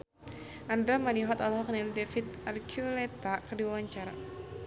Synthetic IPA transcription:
ʔand̪ɾamaniɦɔt̪alɦɔk̚nɛndɛfit̪arkʰjulɛt̪akərdiwawaɲt͡ʃaɾa̰

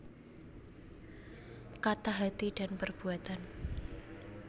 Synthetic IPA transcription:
kat̪aɦat̪iɖ̥anpərb̥uat̪an

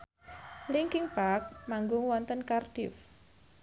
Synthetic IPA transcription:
liŋkɪŋb̥ak̚maŋɡʊŋwɔnt̪ənkarɖ̥if

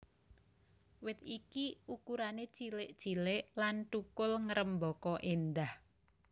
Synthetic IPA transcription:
wɪt̪̚ikiukuɾane̥t͡ʃilɪʔt͡ʃilɪʔlanʈukʊlŋəɾəmbɔkɔʔend̪ah

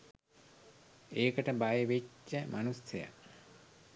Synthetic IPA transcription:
eːkəʈəbajeʋet͡ʃːəmʔanuseja̰

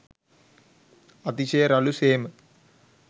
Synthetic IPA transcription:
ɐt̪iʃeːɐɾɐluseːm

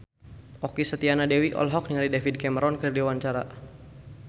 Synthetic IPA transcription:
ʔɔkisət̪ianadɛwiʔɔ̰lɦɔk̚niŋalidɛfid̚kɛməɾɔnkərdewaɲt͡ʃaɾa̰

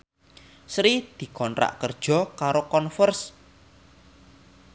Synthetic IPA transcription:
sɾid̪̥i̤kɔnɾa̰ʔkərd̥ʒ̥ɔ̤kaɾokɔnfərs

